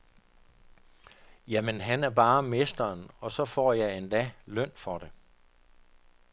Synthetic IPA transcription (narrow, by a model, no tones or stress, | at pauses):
jæmenɦænæɐb̥ɑ̈ːme̝sd̥ɐːnɒ̽sɒ̽fɒ̰ːjɑ̈ɪend̥ɛlœn̰fɒd̥e